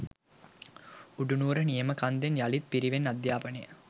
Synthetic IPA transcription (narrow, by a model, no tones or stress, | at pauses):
uɖunuːɾənijəməkand̪enjalit̪̚piɾiʋenːad̪jaːpənəjə